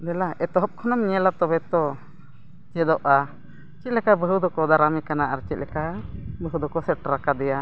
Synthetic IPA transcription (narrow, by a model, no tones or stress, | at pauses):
nɛlaʔɛt̪ɔɦɔp̚kʰɔnamɲɛlat̪ɔbɛt̪ɔ | t͡ʃɛd̪ɔʔa | t͡ʃit̪̚lɛkabəɦud̪ɔkɔd̪aɾamɛkanaʔaɾt͡ʃit̪̚lɛkabəɦud̪ɔkɔsɛʈɾakad̪ɛja